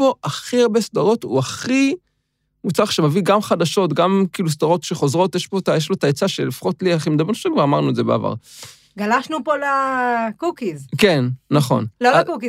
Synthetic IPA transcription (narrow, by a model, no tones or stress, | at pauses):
po̞ʔaχiaʁbesd̪aʁo̞tṵaχi | mut͡saʃemaviɡamχad̪aʃo̞tɡamkiːlus̬d̪aʁo̞tʃeχo̞zʁo̞tjeʃpo̞tajeʃlo̞taet͡saʃelifḁχo̞tliaχimed̪abnuʃekɡvaʁamaʁnuezebḛa̰va̰ʁ | ɡalaʃnupolakukizkenːaχo̞̰nlolakuki